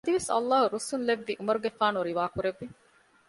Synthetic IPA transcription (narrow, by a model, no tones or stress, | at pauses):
ɐd̪iʋesɐ̰lːaːɦuɾusunleʋːiʔumɐɾuɡefaːnuɾiʋaːkuɾeʋːi